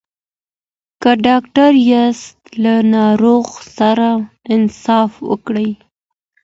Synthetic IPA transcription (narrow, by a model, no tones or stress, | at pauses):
kəɖɑk̚ʈaɾjast̪lanɑɾoɣsaɾaɪnsɑfwə̰kɽəj